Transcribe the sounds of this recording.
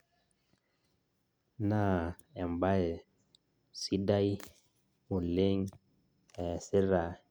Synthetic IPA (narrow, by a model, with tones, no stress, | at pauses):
na˦ | ɛ˨mba˦e˨ | si˦da˦j | mu˨le˦ŋ | ɛ˨se˦ɾa˨